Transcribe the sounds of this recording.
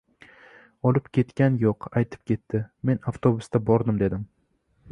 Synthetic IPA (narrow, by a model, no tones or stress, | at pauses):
ɒlˠɪpkʲʰe̞t̪kʲanjoqajt̪ʰɪ̥p̚kʲʰe̞t̪ːɪme̞naft̪ʰobʊst̪abɒɾd̪ɪmd̪e̞d̪ɪm